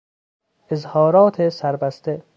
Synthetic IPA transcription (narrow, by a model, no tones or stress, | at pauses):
ezhɒːɾɒːt̪ʰesæɾbæst̪e